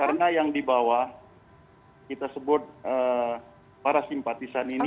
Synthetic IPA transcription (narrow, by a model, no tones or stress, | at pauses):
kaɾənajaŋdibawa | kit̪asəbʊt̪̚ə | paɾasimpat̪isanin